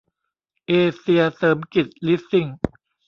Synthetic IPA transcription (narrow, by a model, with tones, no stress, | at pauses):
ʔeː˧si˧ɐsɤː˩˦mki˨˩t̪̚li˦˥si˧˩ŋ